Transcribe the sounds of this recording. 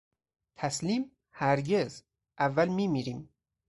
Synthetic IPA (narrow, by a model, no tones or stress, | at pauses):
t̪ʰæsliːm | hæɾɟez | ʔævːælmiːmiːɾiːm